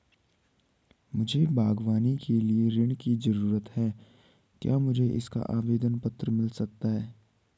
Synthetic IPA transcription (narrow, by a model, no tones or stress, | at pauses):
mʊd͡ʒʱebʱaːɡʋaːnikʰelieɾɪɽ̃kid͡ʒɐɾuːɾət̪hɛː | kja̰ːmʊd͡ʒʱeʔɪ̰ska̰ʔaːʋeːd̪ənpɐt̪ɾəmɪlsɐk̚t̪aɦɛː